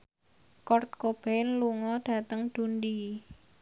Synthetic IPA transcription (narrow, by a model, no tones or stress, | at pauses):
kɔrt̪̚kob̥ɛnluŋɔɖ̥ä̤t̪əŋd̪̥ṳndi